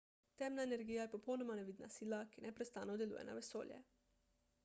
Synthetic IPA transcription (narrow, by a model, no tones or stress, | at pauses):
t̪ɛmnaeneɾɡiːjajɛpopownomanɛʋid̪na̰siːlakinɛpɾɛst̪aːnod̪ɛlṵjɛ̰na̰ʋɛso̰ːljɛ̰